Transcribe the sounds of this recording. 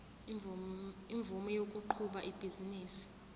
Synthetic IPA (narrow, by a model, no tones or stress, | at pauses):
iɱvumɔjokʼuǃʰuɓaʔib̥ʱiziniːsi̥